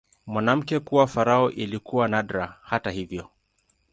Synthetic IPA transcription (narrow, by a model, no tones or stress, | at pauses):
mwanam̩kɛkuwafaɾaɔʔilikuwanadɾahatahivjɔ